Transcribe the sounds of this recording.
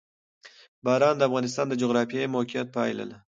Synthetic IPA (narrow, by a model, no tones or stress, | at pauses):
bɑːɾɑnd̪əafɣɑnɪst̪ɑnd̪əd͡ʒoɣɾɑfjɑjmokijɑt̪̚pɑjla̰la